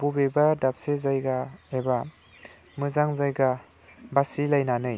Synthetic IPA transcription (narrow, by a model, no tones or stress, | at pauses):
b̥ubebadap̚sezajɡaeba | mɯzaŋzajɡa | basilajnanɯj